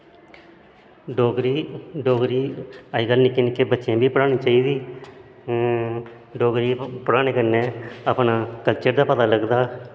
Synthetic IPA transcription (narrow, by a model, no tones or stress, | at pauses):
ɖoːɡɾiːɖoːɡɾiːəiːɡəlnɪkːeːnɪkːeːbətːʃjãːbʱiːpəɽaːɽ̃iːt͡ʃaːiːd̪iː | ɖoːɡɾiːpəɽaːñeːkəɾneːəpɳaːkəlt͡ʃəɾd̪aːpət̪aːləɡd̪aː